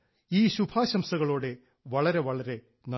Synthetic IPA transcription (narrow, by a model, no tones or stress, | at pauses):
iːɕubʱaːɕɐmsɐɣɐɭo̞ːɽe̞ | ʋɐɭɐɾe̞ʋɐɭɐɾe̞ | nɐ